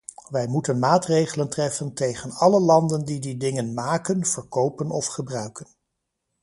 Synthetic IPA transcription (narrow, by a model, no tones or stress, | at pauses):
ʋɛjmutənmaːtrejχələntrɛfəntejχənɑləlɑndəndididɪŋənmaːkənv̥əɹkowpənɔfχəbrœɥkən